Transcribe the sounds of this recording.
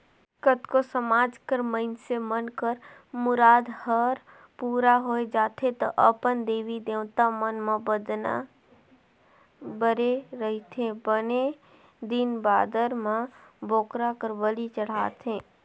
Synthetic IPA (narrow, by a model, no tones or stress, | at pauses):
kət̪kosəmaːd͡ʒkəɾməɪnsemənkəɾ | mʊɾaːd̪həɾ | puːɾaɦoːed͡ʒaːt̪ʰẽt̪əʔəpənd̪eːʋid̪ewt̪amənmãbəd̪na̰ | bəɾeɾəɦit̪ʰẽbəne | d̪inbaːd̪əɾmãboːkɾakəɾbəlit͡ʃəɽ̤aːt̪ʰɦẽː